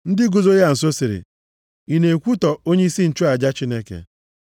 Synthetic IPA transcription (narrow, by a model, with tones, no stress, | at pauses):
n̩˦dɪ˦ɡo˨zo˦ja˦˨n̩˨so˦si˨ɾɪ̰˨ | i˨ne˨kʷu˦tɔ˨o˦ɲe˦i˦si˦n̩˨t͡ʃu˦a˨d͡ʒa˦t͡ʃi˦ne˦kḛ˨